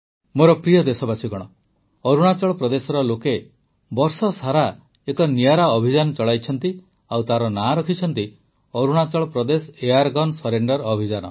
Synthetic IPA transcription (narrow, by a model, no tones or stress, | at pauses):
moɾɔpɾijɔd̪esɔbat͡ʃʰiɡɔɽ̃ɔ | ɔɾuɽ̃at͡ʃɔɭɔpɾɔd̪esɔɾɔloke | bɔɾsɔsaɾa | ekɔnijaɾaɔbʱid͡ʒanɔt͡ʃɔɭajt͡ʃʰɔnt̪i | awt̪aɾɔnaɾɔkʰit͡ʃʰɔnt̪i | ɔɾuɽ̃at͡ʃɔɭɔpɾɔd̪esejaɾɡɔnsɔɾeɳɖɔɾɔbʱid͡ʒanɔ̰